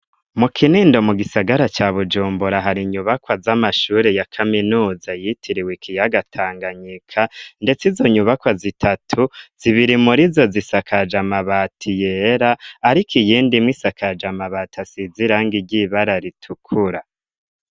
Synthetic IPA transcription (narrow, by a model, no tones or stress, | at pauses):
mukʰiniːndo̞muɡisaɡaɾat͡ʃaβud͡ʒuːmbuɾaɦaɾiɲuβakwazamaʃuːɾejakʰaminuːzajitʰiɾiwekʰijaɡatʰaːŋɡaɲikʰande̞t͡sizo̞ɲuβakwazitʰatʰuz̥iβiɾimuɾizo̞zisakʰad͡ʒamaβatʰijeɾaːɾikʰijiːndimwisakʰad͡ʒamaβatʰasiziɾaŋɡiɟiβaɾaɾitʰukʰuɾa